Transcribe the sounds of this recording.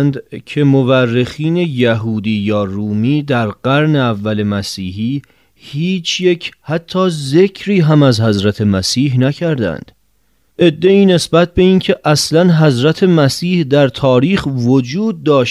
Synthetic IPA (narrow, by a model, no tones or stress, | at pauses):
nd̪cʰe̞moværːe̞xiːne̞jæɦuːd̪iːjɒːruːmiːd̪æɾɢæɾne̞ævːæle̞mæsiːɦiː | hiːt͡ʃʰje̞cʰhæt̪ʰːɒːze̞cʰɾiːɦæmæzhæzɾæt̪ʰe̞mæsiːɦnæcʰæɾd̪æ̰nd̪̥ | ʔe̞d̪ːe̞iːne̞sbæt̪̚ʰbe̞iːncʰe̞ʔæslænɦæzɾæt̪ʰe̞mæsiːhd̪æɾt̪ʰɒːɾiːxvod͡ʒuːd̪̚ːɒːʃ